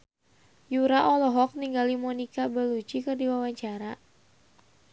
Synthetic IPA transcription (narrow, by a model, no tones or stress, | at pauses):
juɾaʔɔlɔɦɔk̚niŋɡalimɔnikabəlut͡ʃikərdiwawaɲt͡ʃaɾa